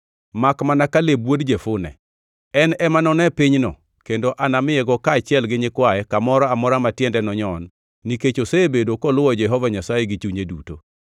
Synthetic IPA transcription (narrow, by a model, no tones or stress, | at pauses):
makmanakalebwodd͡ʒefʊnɛ̰ | ɛnɛmanɔnɛpiɲnɔ | kendoʔanamɪɛɡɔkaːt͡ʃɪɛlɡɪɲɪkwajɛkamɔɾɔamɔɾamatjɛndɛnɔɲɔnː | iket͡ʃosebedokɔlʊɔd͡ʒɛɦɔvaɲasajeɡit͡ʃuɲeduto̰